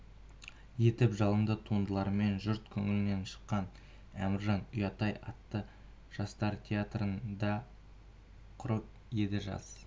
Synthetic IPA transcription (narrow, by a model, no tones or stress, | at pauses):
je̞t̪ɪpʒɑlˠənd̪ət̪ʰuənd̪əlˠɑɾme̞nʒʏɾt̪kʲʰʏŋɪlɪne̞nʃə̥qːɑn | æ̰mɪɾʒɑnʏjɑt̪ɑjɑ̰t̪ːə | ʒ̥ɑst̪ɑɾt̪ʲʰeat̪rənd̪ɑ | qʰʊɾəp̚ | je̞d̪ɪʒɑ̰s